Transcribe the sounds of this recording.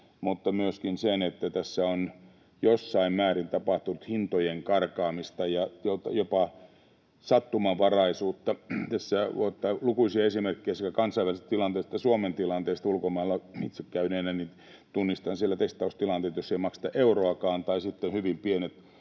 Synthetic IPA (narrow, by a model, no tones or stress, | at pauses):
mut̪ːɑmyøskinsenet̪ːæt̪æsːæon | josːɑimmæːrint̪ɑpɑht̪unut̪hint̪ojeŋkɑrkɑːmist̪ɑjɑjot̪ɑjopɑ | sɑt̪ːumɑʋɑrɑisuːt̪ːɑt̪æsːæʋot̪ːɑlukuisiɑesimerkːejæsekækɑnsɑiʋælist̪ilɑnt̪eːst̪ːɑsuoment̪ilɑnt̪eːst̪ulkomɑilːɑmit̪sekkæyneːnæni | t̪unːist̪ɑnsielːæt̪est̪ɑust̪ilɑnt̪eːt̪josːeimɑkse̥t̪ɑʔeuroɑkɑːnt̪ɑisit̪ːenhyʋimpienet̪